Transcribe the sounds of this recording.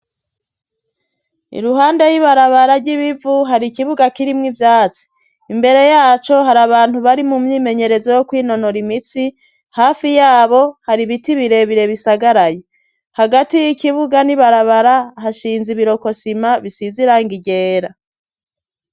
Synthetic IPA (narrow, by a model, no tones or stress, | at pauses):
ḭɾuɦaːnde̞jiβaɾaβaɾaɾɟiβivuɦaɾikiβuɡakiɾimŋivjaːt͡si̥ | imbe̞ɾe̞jaːt͡ʃo̞ɦaɾaβaːn̥huβaɾimumɲiːme̞ɲe̞ɾe̞zojokwiːno̞no̞ɾimit͡si | haːfijaːβo̞haɾiβitiβiɾe̞βiɾe̞βisaɡaɾaje | haɡatijikiβuɡaniβaɾaβaɾaɦaʃiːnziβiɾo̞ko̞simaβisiziɾaŋɡiɟeːɾa